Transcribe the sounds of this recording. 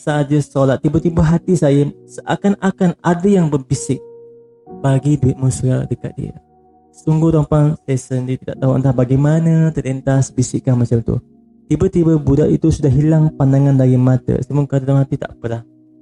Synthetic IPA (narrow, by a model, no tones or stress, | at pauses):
səad͡ʒəsolat̪̚ːibət̪ibəɦat̪isajəsa̰kanakanadəjaŋbərbisɪk̚ | baɡiduɪt̪̚musɡa̰dəka̰t̪̚dḭə̰ | suŋɡuht̪ɔmpaŋsɛsəndiət̪ida̰ʔt̪aɦua̰nahbaɡajmanət̪əlɛnt̪asbisɪkːahmat͡ʃamt̪ṵ | t̪ibət̪ibəbudaʔḭt̪usudahɦilaŋpandaŋandaɡimat̪ə̰səmʊŋkadalamɦat̪it̪a̰ʔpəɾah